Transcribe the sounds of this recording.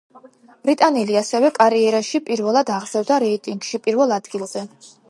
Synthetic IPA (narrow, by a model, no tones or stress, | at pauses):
b̥ɾit̪ʼanɛliasɛvɛkʼaɾiɛɾaʃipʼiɾvɛlˠad̪aʁz̥ɛvd̪aɾɛit̪ʼiŋɡʃipʼiɾvɛlˠad̪ɡilˠz̥ɛ